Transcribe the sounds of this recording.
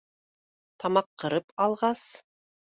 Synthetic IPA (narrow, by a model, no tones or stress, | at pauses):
t̪ɑmɑqːɤ̆ɾɤpɑlˠʁɑs